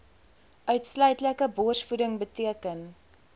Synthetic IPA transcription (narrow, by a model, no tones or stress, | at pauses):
ʔœɥtslœɥtləkəbɔrsfudəŋbətiəkən